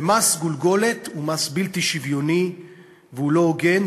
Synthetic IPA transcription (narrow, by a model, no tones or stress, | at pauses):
emasɡulɡo̞let̪umasbilt̪iʃivjoni | veulo̞ɡen